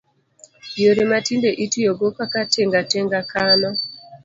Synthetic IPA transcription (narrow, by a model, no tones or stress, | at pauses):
joɾematindeʔitujɔɡokakatɛŋɡatɛŋɡakanɔ